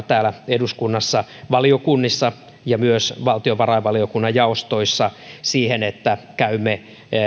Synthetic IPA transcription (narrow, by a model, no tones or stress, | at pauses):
t̪æːlæeduskunːɑsːɑʋɑliokunːisːɑ | jɑmyøsʋɑlt̪ioʋɑrɑiʋɑliokunːɑjjɑost̪oisːɑsiːhenet̪ːækæymːe